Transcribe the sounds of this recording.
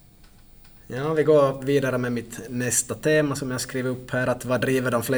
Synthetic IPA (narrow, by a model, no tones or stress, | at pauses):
jɑːvɪɡoːviːd̪aɾəmɛmɪt̪nɛst̪at̪ʰeːmasɔmjahskɾiːvəɾɵpːhæːɾat̪vɑdɾiːvəɖɔmflɛ